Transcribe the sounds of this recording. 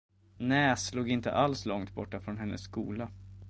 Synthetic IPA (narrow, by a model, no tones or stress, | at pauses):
nɛːsluːɡɪnt̪ə̰ʔalslɔŋt̪bɔʈːafɾɔnɦɛnːə̰sːkṵːla